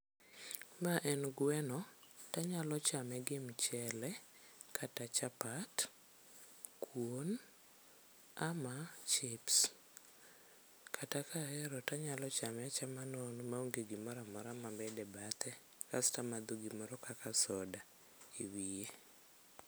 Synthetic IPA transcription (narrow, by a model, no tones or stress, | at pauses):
maʔɛnɡwɛnɔtaɲalɔt͡ʃamɛɡɪmt͡ʃɛlɛ | kʰatat͡ʃapat | kʰwon | amat͡ʃɪps | kʰatakʰahɛɾɔtaɲalɔt͡ʃamɛat͡ʃamanɔnmauŋɡeɡimɔɾamɔɾamambɛdɛbat̪ɛ | kastamad̪oɡimɔɾɔkakasɔda | iwije